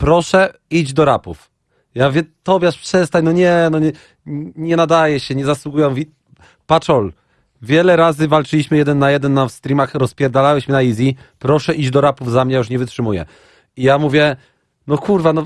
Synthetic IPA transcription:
pɾɔʂɛid͡ʑd̪ɔɾapuf | javʲjɛt̪ɔbʲjɛaʂpʂɛst̪ajnɔɲɛnɔɲɛ | ɲɛnad̪ajɛɕɛɲɛzaswuɡujɛmuvʲi | pat͡ʂɔl | vʲjɛlɛɾazɘvalt͡ʂɘlʲiɕmɘjɛd̪ɛnːajɛd̪ɛnːafst̪ɾʲimaxɾɔspʲjɛɾd̪alawɛɕmɘnaizʲi | pɾɔʂɛʔid͡ʑd̪ɔɾapuvzamɲɛjauʂ̬ɲɛvɘtʂɘmujɛ̰ | ijamuvʲjɛ | nɔkʰuɾvanɔ

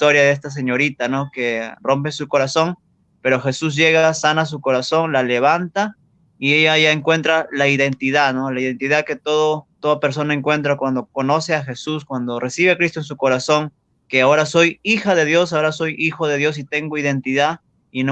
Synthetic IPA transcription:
t̪oɾjaðees̬t̪as̬e̞ɲo̞ɾit̪ano̞ke̞ro̞mp̬e̞suko̞ɾaso̞ŋ | pe̞ɾo̞xe̞sus̬ʝe̞ɣasanas̬uko̞ɾaso̞nlale̞β̞ant̪a | ie̞ʝaʝaeŋkwe̞nt̪ɾalaiðe̞nt̪iðano̞laiðe̞nt̪iðake̞t̪oðot̪o̞ðape̞ɾs̬o̞nae̞ŋkwe̞nt̪̬ɾakwand̪o̞ko̞no̞se̞axe̞suskwand̪o̞rʔe̞siβeakɾist̪oe̞ns̬uko̞ɾaso̞ŋ | keao̞ɾaso̞jixaðe̞ðjo̞sao̞ɾaso̞jixo̞ðeðjo̞s̬it̪e̞ŋɡo̞iðe̞nt̪iða | ino

